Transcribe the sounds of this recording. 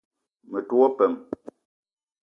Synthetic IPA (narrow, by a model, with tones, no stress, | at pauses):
mə˨two˦pɛ˨m